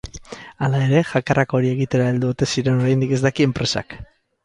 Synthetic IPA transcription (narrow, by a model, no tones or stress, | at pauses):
alae̞ɾe̞ʝakarako̞ɾie̞ɣit̪e̞ɾaild̪uot̪e̞siɾe̞no̞ɾajnd̪ike̞zd̪akie̞mpɾe̞sa̰k